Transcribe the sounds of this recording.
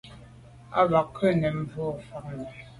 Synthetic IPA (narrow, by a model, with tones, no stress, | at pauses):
a̰˦βa˨kʰːɛ˦nɛ˨m̩˦vɔ˦˨fa˨k̚nɛ˨